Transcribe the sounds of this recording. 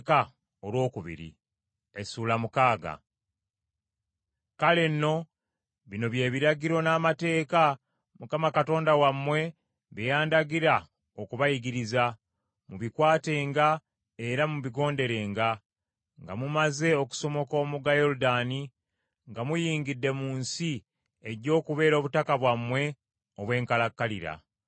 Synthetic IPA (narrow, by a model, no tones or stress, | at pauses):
ka | olwo̞ːkuβḭɾḭ | esuːlamukaːɡa̰ | kale̞nːo̞ | βino̞βje̞ːβiɾaɡiɾo̞naːmate̞ːka | mukamakato̞ːndawamːwe̞ | βejaːndaɡiɾa | okuβajiɡiɾiza | muβikwaːte̞ːŋɡa | e̞ɾamuβiɡo̞ːnde̞ɾe̞ːŋɡa | ŋɡa̰mumaze̞o̞ku̥so̞mo̞ko̞ːmuɡajo̞ɾudani | ŋɡamujiːŋɡidːe̞muːnsi | eɟo̞ːkuβe̞ːɾo̞ːβutakaβwamwe̞ | oβwe̞ːŋkalakːalḭɾa̰